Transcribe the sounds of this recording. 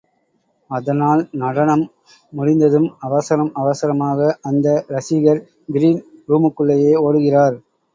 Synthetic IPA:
ɐðɐnaːlnɐɽɐɳɐmː | ʊɽɪnd̪ɐðɯmɐʋɐsɐɾɐmɐʋɐsɐɾɐmaːɣɐʔɐnd̪ɐɾɐsɪɣɐɾ | ɡɪɾiːnɾuːmɯkːɯɭːɐjeːoːɽɯɣɪraːɾ

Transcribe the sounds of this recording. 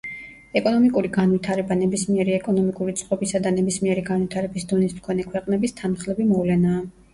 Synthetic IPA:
ɛkʼɔnɔmikʼuɾiɡanwit̪ʰaɾɛbanɛbismiɛɾiɛkʼɔnɔmikʼuɾit̪sʰʼqʼɔbisad̪anɛbismiɛɾiɡanvit̪ʰaɾɛbisd̪ɔnismkʰɔnɛkʰwɛqʼnɛbist̪ʰanχlɛbimɔvlɛnaː

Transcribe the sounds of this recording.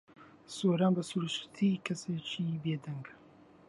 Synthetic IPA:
soːɾaːnbɐsuɾuʃt̪ʰikʰɐseːt͡ʃiːbeːd̪ɐŋɡ

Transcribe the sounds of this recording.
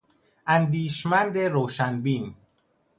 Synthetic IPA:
ʔænd̪iːʃmænd̪e̞ɾoːʃænbin

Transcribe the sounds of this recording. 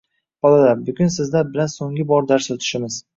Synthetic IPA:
bɒlˠad̪abʊɡʲɪnsɪzd̪abɪlansoŋʲɪbɒɾd̪aɾsɵt̪ʰɪ̥ʃɪmɪz̥

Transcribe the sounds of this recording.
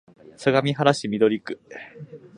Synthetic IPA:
saɡamʲiɦaɾaɕimʲid̪o̞ɾʲikɯ̥

